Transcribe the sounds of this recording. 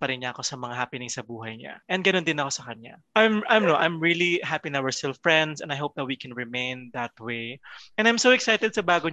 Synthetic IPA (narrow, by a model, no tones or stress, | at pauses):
pɐɾɪnɲɐːko̞sɐmɐŋahapɪnɪŋsɐbuːɦɐjɲa̰ʔɛ̃nd̪ɡɐnond̪ɪnɐko̞sɐkɐɲa̰ʔãjmʔãjmnoʔãjmɹilihapinɐwɛɹst̪ɪlfɹɛ̃nd̪sɛ̰̃nɐjɦoʊp̚ðɐt̪̚wikɛnɹɪmẽɪ̃nd̪ɐt̪̚wejʔɛnajmsowɛksajt̪ɛd̪̚sɐbaːɡo